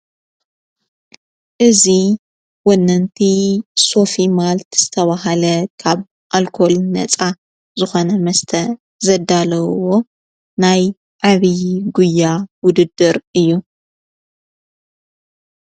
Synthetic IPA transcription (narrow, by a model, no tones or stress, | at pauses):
ʔɨzi | wonːɐnt̪ʰiso̞fimalt̪z̥ɨt̪ʰɐβaɦɐlɐkʰaβ | ʔalkʰo̞lnɐ̰t͡sʼa | zɨxo̞nɐmɐst̪ʰɐ | zɐd̪alɐwo̞ | naj | ʕaβiɡujːawʊd̪ɨd̪ːɨɾɨjːu